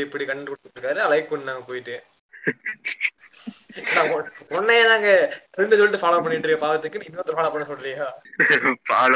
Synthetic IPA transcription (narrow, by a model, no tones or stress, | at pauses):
ɛpːɐɽikɐɳːɖɯkɔɽt̪ːɯɾɯkːaːɾɯɐlɐɪkːɯkɔɳːinaːŋɡɐpoːjɪʈːɯ̃ | nːaːɔɔnːɐjeːnaːŋɡɐɾɛnɖɯsɔlːɪʈːɯfaːlɐpɐɳːɪʈːɾɯɡɐpaːʋɐt̪ːɯkːɯnĩɪnːt̪ɯɾfaːlɐpɐɳːɐsɔlːɾiŋɡaːpaːl